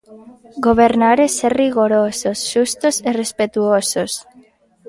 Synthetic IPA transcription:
ɡoβ̞eɾnaɾeseriɣoɾososʃust̪oserespet̪uosos

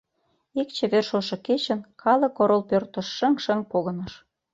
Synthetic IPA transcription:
ik̚t͡ɕĕβerʃoʃɤ̆ket͡ɕə̆nkʰɑlɤ̆koɾolpørt̪ə̆ʃːə̆ŋʃə̆ŋpoɣɤ̆nɤ̆ʃ

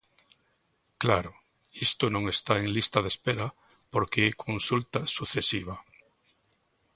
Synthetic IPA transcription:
klaɾʊ | ist̪ʊnõŋest̪aeŋlist̪aðespeɾa | poɾkeɛkʰõnsult̪asuθesiβ̞a

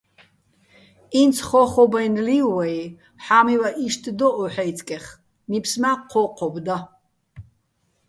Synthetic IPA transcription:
int͡sʰχɔχɔbajnliwaj | ħamiwaʔiʃt̪ʰʼd̪ɔʔɔħajt͡sʰʼkʼɛχ | nipʰsmaqʰɔqʰɔbd̪a

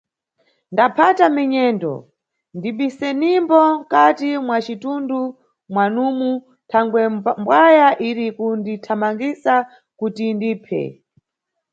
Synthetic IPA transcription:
ndapʰatamɛɲɛːndɔ̰ | ndiɓisɛnimbɔŋkatimwat͡ʃitundu | mwanumu | tʰaŋɡwɛmbwajaʔiɾikunditʰamaŋɡisa | kutindiːpʰɛ̰

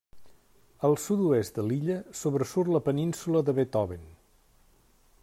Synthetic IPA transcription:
əlˠsut̪uest̪d̪əliʎəsoβɾəsurləpəninsuləðəβet̪ɔβen

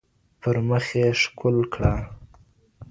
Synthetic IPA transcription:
pəɾməxeʂkʊlkɽa

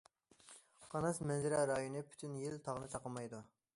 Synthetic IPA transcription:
qʰɑnɑsmɛnzɪɾɛɾɑjonɨpʰy̥t̪ʰynjilt̪ʰɑʁnɨt͡ʃʰɑqəmɑjd̪u

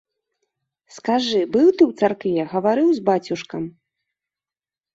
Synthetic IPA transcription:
skaʐɨbɨwt̪ɨwt̪sarkvʲɛɣɐvaɾɨwzbat͡sʲuʂkɐm

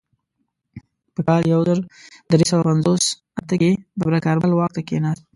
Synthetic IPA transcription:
pəkɑljawzəɾd̪ɾesawapanzos | at̪əkeb̪əbɾakɑɾbəlwɑk̚t̪akenɑs̚

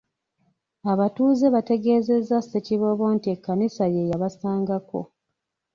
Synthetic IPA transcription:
aβatuːze̞βate̞ɡe̞ːze̞zːaseciβo̞βo̞ːntie̞kːanisaje̞jaβasaːŋɡako̞̰

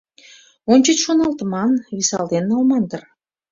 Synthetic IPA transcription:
onʲt͡ɕə̆t͡ɕʃonɑlˠt̪əmɑnβisɑld̪enːɑwmɑnd̪ər

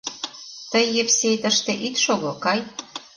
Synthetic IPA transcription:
t̪əjːepsejt̪əʃt̪ĕʔit̪ʃoɣokɑj

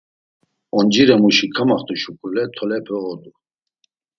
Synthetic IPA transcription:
ɔnd͡ʒiɾɛmuʃikʰamaχt̪ʰʼuʃukʼulɛt̪ʰɔlɛpʰɛɔd̪u

